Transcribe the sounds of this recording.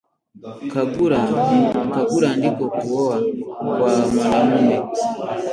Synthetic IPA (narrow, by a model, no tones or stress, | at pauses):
kabuɾakabuɾandikɔkuɔwakwamalamunɛ